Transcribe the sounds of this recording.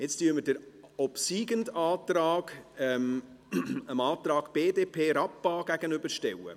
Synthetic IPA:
jɛt͡styːmədəɾɔpsiːɡəndɑːtɾɑːɡ̥ɛm | əmɑːt̪ɾɑːɡ̥b̥eːdeːpʰeːɾɑpːɑːɡ̥æɡənʏbəɾʃtɛwə̰

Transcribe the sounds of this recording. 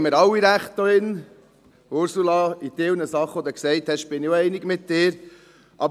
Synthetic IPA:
məɾɑwːiɾæχt̪̚oɪn | ʊɾsulɑitɪlnəsɑχʋɔd̪ɛksɛɪt̪hɛʃb̥ɪnioɛɪnɪɡmɪt̪̚dɪːɾ | ʔɑb

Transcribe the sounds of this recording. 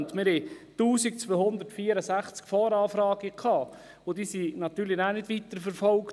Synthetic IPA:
ntmɪɾhɛtuːsik̚t͡svøːhʊnd̪əɾtfiːəɾəsæχt͡skfɔːɾɑːfɾɑːɡikʰɑː | od̥iːsinɑt̪yːɾlɪnaːnɪdʋit̪əɾfəɾfɔlk

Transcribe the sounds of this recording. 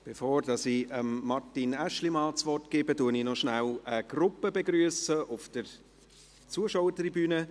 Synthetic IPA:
b̥efoːɾdɑsiəmːɑrtinæʃlimɑːt͡sʋɔt̚kɪːbətuəninɔʃnæləɡ̥rʊpəbeɡɾyəsəʔʊfd̥əɾ | t͡suəʃawətribyːnə

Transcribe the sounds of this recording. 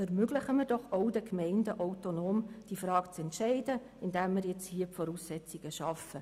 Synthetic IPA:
ɛrmøɡləχəmɪɾd̥ɔχoʊdəkmɛɪndəʔoʊtonoːmd̥ifɾɑːkt͡sɛntʃɛɪdə | ɪndæmːɪɾjɛt͡shiəpfɔɾuːsːɛt͡siɡ̥əʃɑfə

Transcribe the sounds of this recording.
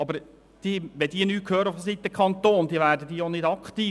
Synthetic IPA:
ɑbəɾ | d̪̥iːʋɛd̥iːənyːt̚kʰhøːɾəʊfdəs̬it̪ːəkʰχɑnt̪oːnd̥̪iəʋæːɾdəd̥iːjonɪdɑkχt̪iː

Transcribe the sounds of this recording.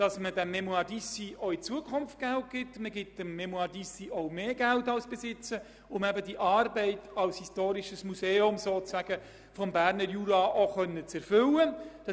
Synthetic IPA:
d̥ɑsmədæmːɛmuɑdisioit͡suəkʰχʊmftɡ̥ælt̚ɡ̥ɪtməɡɪt̚dəmːɛmuɑdisioʊmeːɡæltɑlsb̥ɛsɪt͡sə | ʊmæbədiʔɑːɾbɛɪtʰɑlshistoːɾiʃəsmuseːʊmsoːt͡sæɡ̥ə | fɔmbæːɾnəɾjuɾɑʔoχœnːət͡sɛɾfʏləd̥ɑ

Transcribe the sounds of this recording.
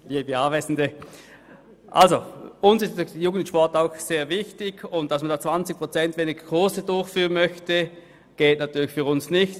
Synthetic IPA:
jeːbiaːvɛɪsn̩də | ʔa̰lzoʊnsɪstdjuːɡən̩ʃpɔɐtaʊxseːɐvɪçtɪɡʊnt̚d̥asmandaːt͡sv̥ant͡sɪk̚pʁ̥ot͡sɛntv̥eːnɪɡ̥əkʰʁoɐsədʊɐçfyːʁənmœçtə | ɡ̥ɛːtnatʰyːɐlɪçfyːɐʁʊnsnɪçt

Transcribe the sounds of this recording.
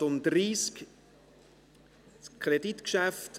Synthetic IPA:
ʊndɾiːsk | skʰɾedit̪kʃæft

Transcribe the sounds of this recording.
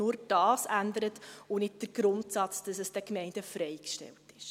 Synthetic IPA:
ʊɾd̥ɑːsændəɾətʊnɪt̚d̥əɾɡ̥ɾʊntsɑt͡sd̥ɑsəsd̥ɛkmɛɪndəfɾɛɪkʃtɛ̰ltɪʃ

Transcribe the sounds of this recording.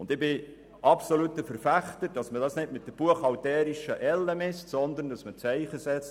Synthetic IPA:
ʊnd̪ɪbɪ | ʔɑpsolutːəfəɾfæχt̪əd̥ɑsmədɑsnɪtmɪt̚d̥əb̥uəχɑwtɛːɾiʃəʔɛlːəmɪstsɔnd̪ən̩dɑsmət͡sɛɪχəsɛt͡st

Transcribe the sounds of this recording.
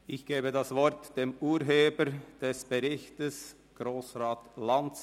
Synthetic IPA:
ɪçɡ̥eːbədasvɔɾtd̥eːmuːɾɦeːbəɾd̥ɛsb̥əʁɪçtəs | ɡ̥ʁoːsʁaːtlan

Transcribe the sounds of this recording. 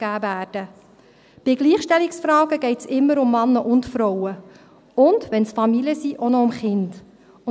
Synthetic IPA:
ɡæːvæːrd̥ə | b̥ɪɡliːχʃtɛliksfɾɑːɡ̥əɡ̥ɛɪtsɪmːəɾʊmːɑnːəʔʊntfɾɔwə | ʊnd̥ʋɛnsfɑmiliəsiʔonɔʊmχɪnd̥

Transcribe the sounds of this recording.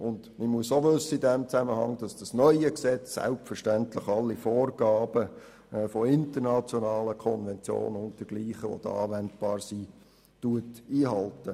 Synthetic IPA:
ʔʊndməmuəsoʋʏsːəidɛmt͡sæməhɑŋd̥ɑsd̥ɑsnœʏəksɛt͡sːɛ̰lp̚tfəɾʃtæntləχɑlːifoːrɡ̥ɑːb̥ə | fɔɪntəɾnɑt͡sjonɑːləkʰɔnvɛnt͡sjo̰ːnʊnt̚d̥əɡ̥liːχəo̰d̥̪əɑ̰ːʋɛndb̥ɑːɾsi | tuətiːɦɑltə

